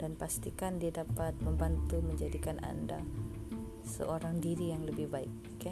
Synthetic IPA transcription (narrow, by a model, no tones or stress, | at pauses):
d̥anpast̪ikandiadapat̪̚məmbant̪uməɲd͡ʒadikana̰nda | sə̰ʔoɾaŋdiɾijaŋləbɪhbaɪ̰k̚ː | a